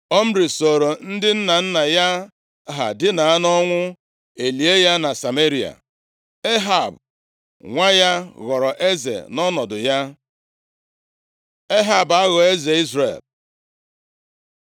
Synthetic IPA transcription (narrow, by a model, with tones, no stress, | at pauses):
ɔ˦m̩˦ɾi˨so˨ɾo˨n̩˦dɪ˦n̩˦na˨n̩˦na˨ja˦ | ɦa̰˨dɪ˦na˨a˦nɔ˦ŋʷʊ˦ | e˨li˨e˦ja˦na˨sa˨me˦ɾi˨a̰˨ | e˦ɦa˨b | ŋʷa˦ja˦ɣɔ˨ɾɔ˨ʔe˦zḛ˨nɔ˦nɔ˨dʊ˨ja˦ | e˦ɦa˨ba˦ɣɔ˨e˦ze˨i˦zrḛ˨l